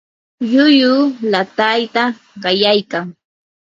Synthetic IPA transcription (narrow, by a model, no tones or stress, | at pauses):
ʎʊjʊlat̪ajt̪a | ɢɑjajkaŋ